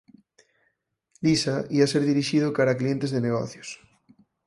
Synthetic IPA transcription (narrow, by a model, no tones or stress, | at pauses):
lisaiaseɾðiɾiʃið̞okaɾaklient̪ezðeneɣo̰θjos